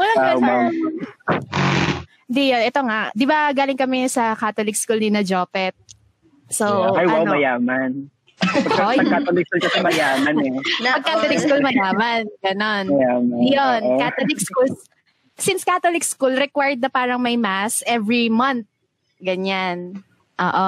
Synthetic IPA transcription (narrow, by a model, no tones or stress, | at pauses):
wɐlɐɡɐa | nd̪ijonʔɛt̪o̞ŋaʔd̪ɪbaɡaːlɪŋkɐmɛsɐkat̪olɪk̚skulninɐd͡ʒoːpɛt̪̚ | sowajwaw̪omɐjaːmɐn | pɐjɐɡkat̪olɪkskulkɐsɛmɐjaːmɐnɛpɐɡ̚kaːt̪olɪk̚skulmɐjaːmɐnɡɐnonjaːmajjonkat̪olɪkskul | sɪnskat̪olɪkskulɾɛkwaɹd̪̚nɐpaːɾɐŋmɐjmasʔɛvɹimɐnt̪̚ | ɡɐɲan | ʔoːʔo